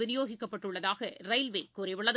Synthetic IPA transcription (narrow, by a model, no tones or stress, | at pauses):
ɪɾɪjoːɣɪkːɐpːɐʈːɯɭːɐðaːɣɐrɐɪlʋeːkuːɾɐʋɪɭːɐð